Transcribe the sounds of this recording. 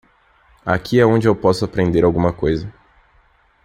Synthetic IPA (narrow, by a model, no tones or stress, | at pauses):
a̰kʰiɛõd͡ʒɪewpɔsʊapɾẽnd̪eɾawɡũmɐkojzɐ